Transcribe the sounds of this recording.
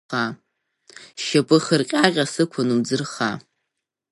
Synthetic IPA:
a | ʃɐpʼɨχərqʲʼaːʁʲʼasɨkʷʰanud͡zɨrχa

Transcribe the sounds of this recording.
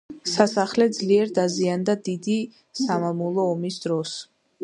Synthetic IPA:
sasaχlɛd̪zliɛɾd̪aziand̪ad̪id̪i | samamulˠɔːmisd̪ɾɔs

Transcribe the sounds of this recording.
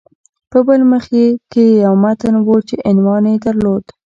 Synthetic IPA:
pəbəlməxkekejawmat̪ənwot͡ʃeʔɪnwɑnjed̪əɾlod̪̥

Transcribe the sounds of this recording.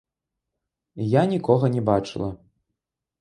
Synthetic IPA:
janʲikɔɣɐnʲɛbat͡ʂɨ̰lˠɐ

